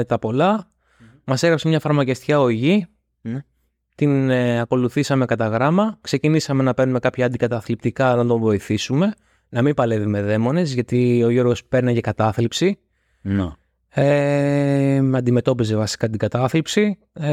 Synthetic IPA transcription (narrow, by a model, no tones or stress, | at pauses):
t̪ɐpo̞lɐ | mɐseɣɾɐpsemɲɐfɐɾmɐceft̪i̥cɐo̞ʝi | t̪inɐko̞luθisɐme̞kɐt̪ɐɣɾɐmɐkse̞cinisɐme̞nɐpe̞ɾnumekɐpçɐːnd̪ikɐt̪ɐθlip̚t̪ikɐɐnt̪o̞vo̞iθisume̞ | nɐmimbɐle̞vime̞ðe̞mo̞ne̞zʝɐt̪io̞ʝo̞ɾɣo̞spe̞ɾne̞ʝɐkɐt̪ɐθlipsi | e | mɐnd̪ime̞t̪o̞pize̞vɐsi̥kɐt̪iɡɐt̪ɐθlipsi